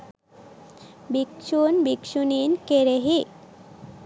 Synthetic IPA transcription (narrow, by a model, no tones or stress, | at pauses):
bikʃunbikʃuninkeɾeɦi